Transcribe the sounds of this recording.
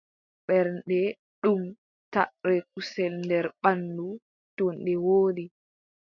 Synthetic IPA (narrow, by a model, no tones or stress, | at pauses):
ɓɛɾnɗɛ | ɗum | taʔɾɛk̚usɛlndɛɾɓandu | tɔnɗɛwoːɗi